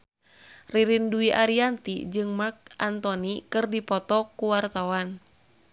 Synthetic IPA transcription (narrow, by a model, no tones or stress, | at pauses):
riɾinduiʔaɾiant̪ḭd͡ʒɨŋmak̚ʔant̪ɔnikɨrdipɔt̪ɔkuwart̪awan